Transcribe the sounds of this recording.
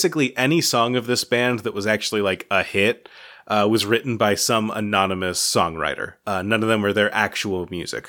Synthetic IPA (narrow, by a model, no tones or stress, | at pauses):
sɨkliʔɛnisɔ̃ŋʌvðɪsb̥æ̃nðɨʔ̚wʌzæk̚t͡ʃʉl̩ˠilaɪkəhɪt̚ʔʌwʌzɹɪʔn̩baɪsʌ̃mə̰nɑnɨmɨsɔ̰̃ŋɹa̰ɪɾə̰˞ʌnʌ̃nʌvðɨ̃mwə˞ðə˞ʔæk̚t͡ʃul̩ˠmjʉ̰zɨ̰k